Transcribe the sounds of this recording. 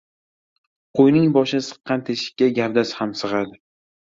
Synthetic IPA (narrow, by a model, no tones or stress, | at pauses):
qʰojnɪŋbɒʃɪnsɨ̥qːɑnt̪ʰeʃɪ̥kʲːaɡʲaɾd̪ashamsɨʁad̪ɪ